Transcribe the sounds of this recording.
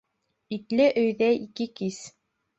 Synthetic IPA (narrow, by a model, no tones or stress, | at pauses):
it̪lɘʔɵ̆jðæikɘkis